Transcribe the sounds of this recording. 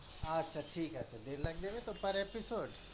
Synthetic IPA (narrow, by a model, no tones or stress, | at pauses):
ɐtːʃʰaʈʰiːkɐtːʃʰad̪eːɾlɐɡ̚d̪eːʋet̪opɐɾepɪsoːɖ